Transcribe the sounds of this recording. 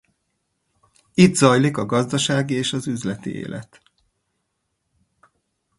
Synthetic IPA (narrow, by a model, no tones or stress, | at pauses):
id̪zɒjlikɒɡɒzd̪ɒʃaːɡieːʃɒzyzlɛt̪ḭḛːlʔɛ̰t̪